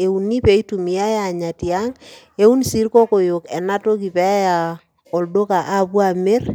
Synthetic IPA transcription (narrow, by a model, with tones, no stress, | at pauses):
e˨u˨ni˦pe˦i˦tu˨mi˨ja˦ja˨ɲa˨tia˦ŋ | e˦u˦nsi˦ɾkɔ˦ko˨jo˨kɛ˨na˦to˦ki˨pɛ˦a˦ja˨ | ɔ˨ldo˦ka˨ʔa˦bwa˨me˦r